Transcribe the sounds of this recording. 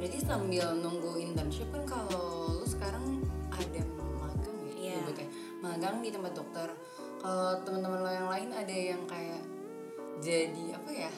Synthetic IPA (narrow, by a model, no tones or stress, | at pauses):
bɾadisambɪlnuŋɡuint̪anʃupʊnkalolosə̥kaɾaŋadaməmaɡaŋaubut̪ɛ | maɡaŋɡit̪əmbadɔk̚t̪ər | kalot̪əmənt̪əmənlojaŋlaɪnadajaŋkajaʔ | d͡ʒadiapaja